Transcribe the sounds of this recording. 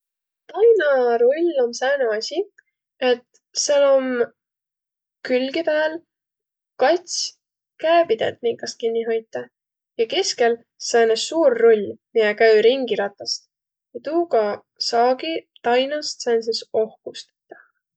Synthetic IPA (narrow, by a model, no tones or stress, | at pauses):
t̪ɑjnɑɾo̞lʲːo̞nsæːneɑsʲi | e̞t̪ | selo̞m | kylɡepæːl | kɑt̪ʲsʲ | kæːpid̪̥ḛd̪̥niŋkːɑs̚kinʲːiɦo̞jt̪ːˑɑ | jɑke̞ske̞l | sæːnessuːrːo̞lʲːmijekæyɾiŋɡiɾɑt̪ːˑɑst̪ | jɑt̪uːkɑ | sɑːɡit̪ɑjnɑst̪sens̬eso̞hkust̪ɑ̥t̪ˑːɑ̥